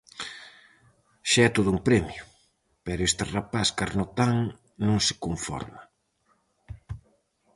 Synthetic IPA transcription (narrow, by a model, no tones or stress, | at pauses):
ʃaɛt̪oðʊuŋpɾɛmjʊ | pɛɾʊest̪ɪrapaskaɾnot̪aŋ | nõŋsɪ̥koɱfɔ̰ɾma